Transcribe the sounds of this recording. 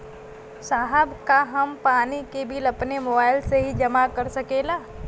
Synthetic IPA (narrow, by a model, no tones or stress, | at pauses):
saːɦəbkaɦɐmpaːnikebʱɪlɐpnemoːbaːɪlseɦid͡ʒɐmakɐɾsɐkeːlaː